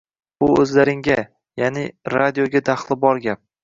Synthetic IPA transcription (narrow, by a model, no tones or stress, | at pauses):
bʊɵzlaɾɪŋɡʲa | janɪɾad̪ijoɡʲad̪aχlˠɪbɒɾɡʲap̚